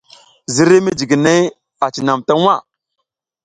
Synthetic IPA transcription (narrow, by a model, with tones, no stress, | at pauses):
zi˦ɾe˦mi˦d͡ʒi˨ɡi˨ne˦j | a˨t͡ʃi˨na˨mta˦ŋ˦a˦˨